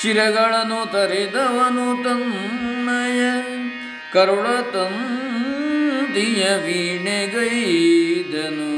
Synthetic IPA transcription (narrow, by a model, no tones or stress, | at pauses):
t͡ʃiɾɐɡɐɭɐnut̪ɐɾid̪ɐʋɐnut̪ɐmnɐjɐ | kɐɾuɭɐt̪ɐm | d̪ijɐʋiɳeɡɐjd̪ɐnu